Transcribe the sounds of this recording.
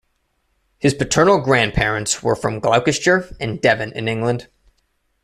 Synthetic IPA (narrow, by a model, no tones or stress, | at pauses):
hɨz̥pɨtʰɜ̃˞nl̩ˠɡɹæ̃npʰɛɹɨ̃ntswə̰˞fɹʌ̃mɡlaʊkɨst͡ʃə˞ʔɨ̃ndɛvɨ̃nɨ̰̃nɪ̃ŋɡlə̃nd̥